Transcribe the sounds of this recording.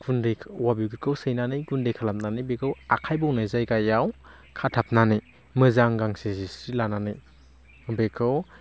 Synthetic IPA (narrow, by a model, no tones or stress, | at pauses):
ɡundejkʰwabiɡɯkʰɯwsɯjnanɯjɡundejkʰalap̚nanɯjbekʰɯwakʰajbɔwnɯzajkajːaw | kʰatʰap̚nanɯj | mɯzaŋɡaŋsizisɾilananɯj | bekʰɯw